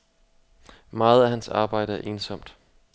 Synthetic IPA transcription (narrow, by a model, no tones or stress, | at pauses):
mɑ̈ːð̞̩ˠæɐhænsɑ̈ːb̥ɑ̈ɪ̰ɾ̥əæɐʔe̝ːnsɒ̽m̰d̥